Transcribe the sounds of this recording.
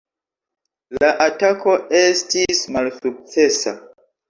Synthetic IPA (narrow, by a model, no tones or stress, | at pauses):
laʔatako̞estismalsuk̚t͡se̞sa̰